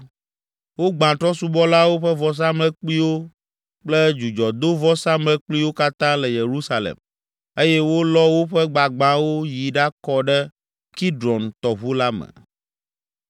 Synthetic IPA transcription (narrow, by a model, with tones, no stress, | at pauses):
wo˦ɡ͡bã˨t̪ɾɔ˦su˦bɔ˦la˦wo˦ɸɛ˦vɔ˦s̬ã˦mlɛ˦k͡pi˦wo˦ | k͡plɛ˦d͡ʒu˨d͡ʒɔ˨d̪o˦vɔ˦sã˦mlɛ˦k͡pli˦wo˦ka˦t̪ã˦lɛ˨je˨ɾu˦sa˨lḛ˨m | e˦jɛ˦wo˦lɔ˦wo˦ɸɛ˦ɡ͡ba˨ɡ͡bã˦wo˦ji˨ɖa˦kɔ˦ɖɛ˦ | ki˦ɖɾɔ˨nt̪ɔ˨βu˦la˦mɛ̰˨